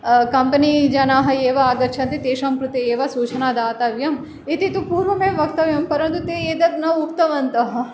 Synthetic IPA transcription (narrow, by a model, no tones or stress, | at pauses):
kɐmpɐnid͡ʒɐnaːɦɐeːʋɐaːɡɐɾt͡ʃʰɐ̃nt̪it̪eːʃɐmkɾut̪ieːʋɐsuːt͡ʃʰɐnaːd̪aːt̪ɐʋjɐm | it̪it̪upuːɾʋɐmeːmʋɐk̚t̪ɐʋjɐmpɐɾɐ̃nt̪ut̪eeːd̪ɐt̪nɐuk̚t̪ɐʋɐnt̪ɐɦɐ